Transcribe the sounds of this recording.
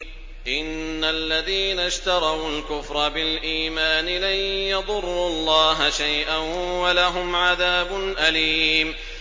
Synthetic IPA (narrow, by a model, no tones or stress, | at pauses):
ʔɪnːalːaðiːnaʃt̪ɑɾˤɑwlkʊfɾˤɑbɪlʔiːmaːnɪlanjɑðˤʊrˤːʊlˤːɑːɦaʃajʔanwalaɦʊmʕaðaːbʊnʔaliːm